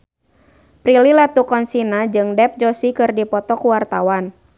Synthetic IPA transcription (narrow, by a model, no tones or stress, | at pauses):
pɾililat̪ukɔnsinad͡ʒɨŋdɛp̚d͡ʒɔsikɨrdipɔt̪ɔkuwart̪awan